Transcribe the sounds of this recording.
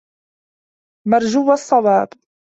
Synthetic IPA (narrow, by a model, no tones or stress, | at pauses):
mɑɾˤd͡ʒuwasˤːɑwɑːb